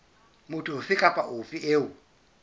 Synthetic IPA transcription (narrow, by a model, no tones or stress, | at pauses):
mʊtʰʼʊhʊfɪkʼapʼaʔofieːʊ